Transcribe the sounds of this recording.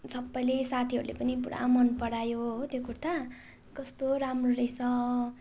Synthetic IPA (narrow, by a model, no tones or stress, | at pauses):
sʌbːʌlesat̪ʰiɦʌ̰ɾulḛpʌnipuɽa̰mʌnpʌɽajoɦt̪jokurt̪ʰa | kʌst̪oɾamroɾejsʰʌ